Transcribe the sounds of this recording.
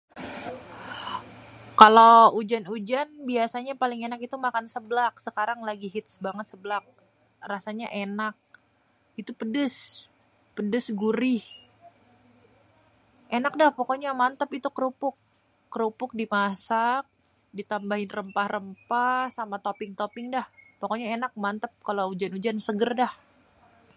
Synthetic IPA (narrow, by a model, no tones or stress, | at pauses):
kaloud͡ʒanud͡ʒanbiasaɲapalɪŋenakit̪umakansəblak̚səkaɾaŋlaɡiɦit̪̚sbaŋət̪̚səblak̚ | rasaɲa̰ʔenak̚ | it̪upədəs | pədəsɡuɾɪh | ʔenak̚dahpokoɲamant̪əpit̪ukəɾupʊkː | əɾupʊk̚dimasak̚ | dit̪ambaɦɪnrəmpahrəmpahsamat̪opɪŋt̪opɪŋdahpokoɲaenak̚mant̪əp̚kaloud͡ʒanud͡ʒansəɡərdah